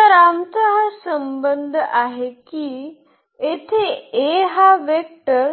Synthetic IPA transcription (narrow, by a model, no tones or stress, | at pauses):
əɾamt̪əɦəsəmbənd̪ʱaɦekiː | et̪ʰeeɦaʋek̚ʈəɾ